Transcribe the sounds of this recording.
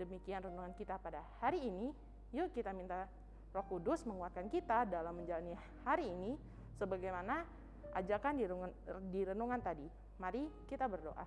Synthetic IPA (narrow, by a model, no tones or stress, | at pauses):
dəmikianrənuŋankit̪apadahaɾiːni | jukit̪amint̪a | rɔkudʊsməŋuat̪̚kankit̪adalamːəɲd͡ʒalani | haɾiːni | səbaɡajmana | ʔa̰d͡ʒakandiɾudiɾənuŋant̪adi | maɾikit̪abərdoʔa̰